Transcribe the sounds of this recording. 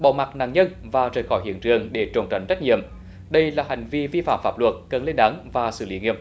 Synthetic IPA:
ɓɔ̰˧˦ma˨˩k̚na̰ː˧˨ŋɲə˧nvaː˨˩zəː˨˩jxɔ˧˩jhḭ˧˨ənt͡ɕɨ˨˩əŋɗe˧˩t͡ɕo̰˨˧˩ŋ͡mt͡ɕa˨˩jŋ̟zə˦˥k̚ɲḭ˧˨əm | ɗə˧jlaː˨˩ha˨˩jŋ̟vi˧vi˧fa̰ː˧˨mfaː˦˥p̚lwə˨˩t̚kə˨˩nle˧nɗaː˨˦ŋvaː˨˩sɨ̰˧˩li˨˦ŋi˧˨əm

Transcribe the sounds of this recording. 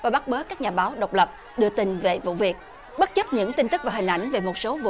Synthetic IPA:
vaː˨˩ɓa˦˥t̚ɓəː˨˦kaː˦˥k̚ɲaː˨˩ɓaː˨˦wɗə˨˩wk͡p̚lə˨˩p̚ | ɗɨ˧ət̪ï˧˩nve˨˩vṵ˧˨vi˨˩ək̚ | ɓə˦˥t̚t͡ɕə˦˥p̚ɲɨ̰˧˥ŋt̪i˧ŋ̟t̪ɨ˦˥k̚vaː˨˩ɦï˨˩ŋ̟ʔa̰˧˩jŋ̟ve˨˩mo˨˩t̚so˨˦vṵ˧

